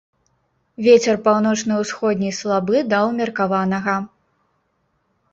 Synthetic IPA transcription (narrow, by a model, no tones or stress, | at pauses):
vʲet͡sʲɛrpawnɔt͡ʂnɨwsxɔd̪ʲnʲijslˠabɨd̪ɐwmʲɐrkavanɐɣɐ